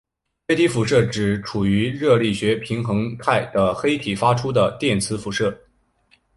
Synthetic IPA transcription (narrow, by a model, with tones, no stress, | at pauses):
fe˥ɪt̪ʰi˧˥fu˧˥ʂɤ˥˩ʈ͡ʂɻ̩˨˩ʈ͡ʂʰu˨˩y˧˥ɻɤ˥˧li˥˩ɕɥɛ˧˥pʰi˧˥ŋxɤ˧˥ŋt̪ʰa˥˩ɪd̪̥ə˩xe˥ɪt̪ʰi˨˩fa˥ʈ͡ʂʰu˥d̪ə˨t̪jɛ˥˩nt͡sʰɹ̩˧˥fu˧˥ʂɤ˥˩